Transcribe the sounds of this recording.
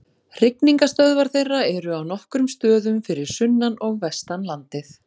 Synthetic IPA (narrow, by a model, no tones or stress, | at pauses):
r̥ɪkniŋkast̪œðvaɾ̥θejrːaɛɾʏawnɔhkɾʏmst̪œːðʏmfɪɾɪɾ̥sʏnːanɔɣvɛst̪anlant̪ɪθ